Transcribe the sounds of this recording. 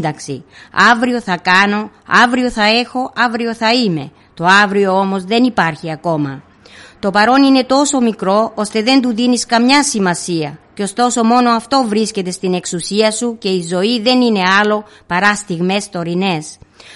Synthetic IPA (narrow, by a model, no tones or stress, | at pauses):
d̪ɐksi | ɐvɾio̞θɐkɐno̞ɐ̰vɾio̞θɐe̞xo̞ʔɐvɾio̞θɐime̞ | t̪o̞ɐvɾio̞o̞mo̞zðe̞nipɐɾçiɐko̞mɐ | t̪o̞pɐɾo̞nine̞t̪o̞so̞mikɾo̞ost̪e̞ðe̞nd̪uðiniskɐmɲɐsimɐsiɐceo̞st̪o̞so̞mo̞no̞ɐft̪o̞vɾisce̞t̪e̞st̪ine̞ksusiɐsuce̞izo̞iðe̞nine̞ɐlo̞ | pɐɾɐst̪iɣme̞st̪o̞ɾine̞s